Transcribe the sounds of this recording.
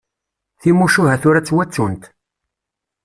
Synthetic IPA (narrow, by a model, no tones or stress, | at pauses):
θimuʃuɦæθʊɾæt͡sːwæt͡sːunt̪